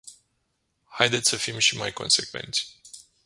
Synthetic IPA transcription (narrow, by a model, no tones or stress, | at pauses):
hajd̪et̪sʲsəfimʃimajko̞̰nse̞kve̞̰nt̪sʲ